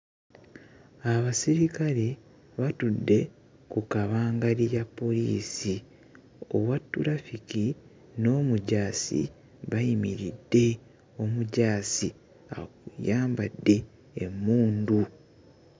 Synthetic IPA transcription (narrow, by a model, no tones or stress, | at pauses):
aβasiɾikaɾe̞ | βatudːe̞ | kukaβaːŋɡalijapːo̞lḭːsi | o̰βwatːuɾafiki | no̞muɟaːsḭ | βajimiɾidːe̞ | o̞muɟaːsi | a̰ujaːmbadːe̞ː | muːndu